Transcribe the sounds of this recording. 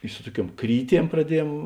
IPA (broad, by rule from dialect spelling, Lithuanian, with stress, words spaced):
ɪ ˈsʊ tuɔˌkʲuɔm ˈkrʲiːˌtʲiɛm prɐˈdʲiɛjɛm